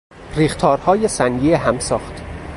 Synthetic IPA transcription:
riːxt̪ʰɒːɾhɒːjesænɡieɦæmsɒːχt̪

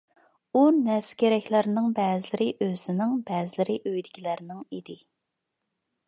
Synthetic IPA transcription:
unæɾsɪ̥kʲeɾɛkʲlæɾnɪŋbɛːzɪlɪɾɪʔøzɪnɪŋbɛːzɪlɪɾɪʔøjd̪ɪkʲʰilæɾnɪŋid̪ɪ

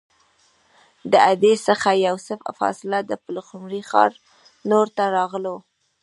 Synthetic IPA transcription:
d̪əad̪esəxajawsəffɑ̰sɪlad̪əpəlxʊmɾixɑ̰ɾ | noɾt̪aɾɑɣlo

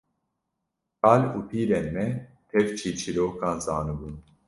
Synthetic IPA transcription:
qɑːluːpʰiːɾɛnmɛ | t̪ʰɛvt͡ʃʰiːt͡ʃʰiɾoːkɑːnzɑːnɨbun

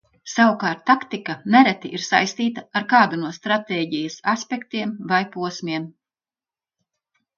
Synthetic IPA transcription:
sawukaːɾt̪ːakt̪ikanæɾɛt̪iʔiɾsa̰jst̪iːt̪aaɾkaːd̪unuɔst̪ɾat̪eːɟijɐsaspʲekt̪iɛmvajpuɔsmʲiɛm

